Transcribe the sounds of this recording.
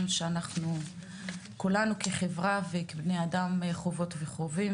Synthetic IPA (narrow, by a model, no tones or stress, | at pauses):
mʃeanaχnu | kulanukeχevʁavekebnejadamχo̞vo̞tveχo̞vim